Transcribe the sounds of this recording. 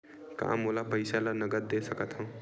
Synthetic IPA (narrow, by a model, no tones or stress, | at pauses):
ka̰molapəjsalanʌɡəɾd̪esʌkʌt̪ʰɦʌ̃w̃